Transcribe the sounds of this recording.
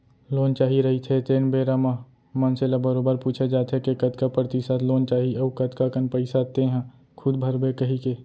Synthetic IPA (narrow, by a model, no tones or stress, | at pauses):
loːnt͡ʃaːɦiɾəɦit̪ʰet̪eːnbeːɾamã | mənselabəɾoːbəɾpuːt͡ʃʰed͡ʒaːt̪ɦekekət̪kapɾət̪ɪsat̪ʰloːnt͡ʃaːɦiəukət̪kakənpəɪsat̪eɦɛ̃ | kʰʊd̪bʱəɾbekəɦikeː